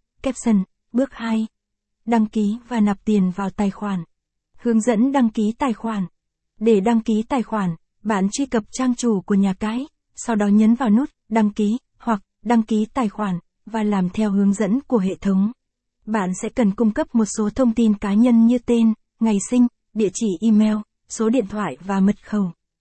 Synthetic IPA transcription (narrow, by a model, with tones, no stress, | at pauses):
kɛ˦˥p̚sə˧n | ɓɨ˦˥ək̚ha˧j | ɗa˧ŋki˨˦vaː˨˩na˨˩p̚t̪i˨˩ənvaː˨˩wt̪aː˨˩jxwaː˧˩n | hɨ˨˦əŋzə̰˧˥nɗa˧ŋki˨˦t̪aː˨˩jxwaː˧˩n | ɗe˧˩ɗa˧ŋki˨˦t̪aː˨˩jxwaː˧˩n | ɓa̰ː˧˨nt͡ɕwi˧kə˨˩p̚t͡ɕaː˧ŋt͡ɕu˧˩ku˧˩əɲaː˨˩kaː˨˦j | sa˧wɗɔ˨˦ɲə˨˦nvaː˨˩wnu˦˥t̚ɗa˧ŋki˨˦ | hwa˨˩k̚ɗa˧ŋki˨˦t̪aː˨˩jxwaː˧˩n | vaː˨˩laː˨˩mt̪ʰɛ˧whɨ˨˦əŋzə̰˧˥nku˧˩əɦḛ˧˨t̪ʰə˨˦wŋ͡m | ɓa̰ː˧˨nsɛ̰˧˥kə˨˩nkʊ˧ŋ͡mkə˦˥p̚mo˨˩t̚so˨˦t̪ʰə˧wŋ͡mt̪i˧nkaː˨˦ɲə˧nɲɨ˧t̪e˧n | ŋa˨˩jsï˧ŋ̟ | ɗḭ˧˨ət͡ɕi˧˩ʔi˧mɛ˧w | so˨˦ɗḭ˧˨ənt̪ʰwa̰ː˧˨jvaː˨˩mə˨˩t̚xə˨˩w